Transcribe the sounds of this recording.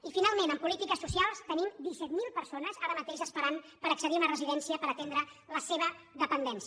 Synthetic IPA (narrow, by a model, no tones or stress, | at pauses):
ifinalˠmẽnəmpulit̪ikəsːusialˠst̪ənimd̪isɛt̪milˠpəɾsonəzaɾəmət̪eʃəspəɾan | pəɾəksəðiunərəziðɛnsiəpəɾət̪end̪ɾə | ləseβə | ðəpənd̪ɛns